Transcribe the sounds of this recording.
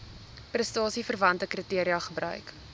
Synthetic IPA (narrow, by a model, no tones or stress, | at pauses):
prəstɑːsifərvɐntəkritiəɾiɐχəbrœ̰ɥk